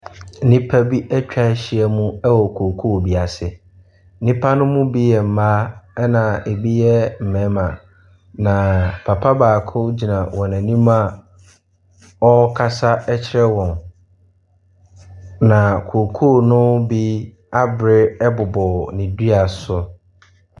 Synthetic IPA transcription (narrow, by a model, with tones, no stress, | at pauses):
n̩˦nĩ˦pʰa˦bi˦ʔæ˦t͡ɕᶣa˦ɕɪ˨ɛ˦mũ˦ɛ˦wɔ˨kʰo˨kʰu˦˨bi˨a˨sɪ˨ | n̩˦nĩ˦pʰa˦nʊ̃˦mʊ̃˦bi˦jɛ˨m̩˨maː˦ɛ˦nã˨e˨bi˦jɛ˦m̩˨mɛ̃˨˦mã˨ | nã˨pʰa˨pʰa˦baː˨kʰʊ˦d͡ʑi˨nã˨wɔ̃˨næ̃˨nĩ˦ma˦ | ɔ˦kʰa˦sa˦ɛ˦t͡ɕʰɪ˦ɾɛ˦wɔ̃˨n | nã˨kʰo˨kʰu˦˨nʊ̃˦bi˦ | a˦bɾɪ˦ɛ˦bʊ˨bɔ˨nɪ̃˨di˦a˨sʊ˦